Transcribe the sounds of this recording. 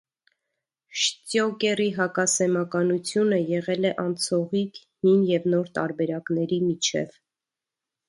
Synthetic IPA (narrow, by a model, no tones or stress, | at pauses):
ʃtjɔkɛriɦɑkɑsɛmɑkɑnut͡sʰjunəjɛʁɛlɛʔɑnt͡sʰɔʁik | hinjɛvnɔɾt̪ɑ̰ɾbɛɾɑkn̪ɛɾimit͡ʃʰɛ̰v